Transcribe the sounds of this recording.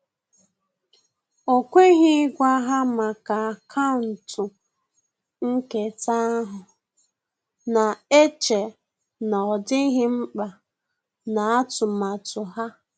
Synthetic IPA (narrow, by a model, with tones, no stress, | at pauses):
o˨kʷe˦ɦɪ˦ɡʷa˦ɦa˦ma˨ka˨kʰa˦ʊ˨n̩˨tʊ˨ | ŋ̩˦ke˨ta˦a˦ɦʊ˨ | na˨e˦t͡ʃe˨ | na˨ɔ˨dɪ˦ɦɪ˦m̩˦k͡pa˨ | na˨a˦tʊ˨ma˨tʊ˨ɦa˦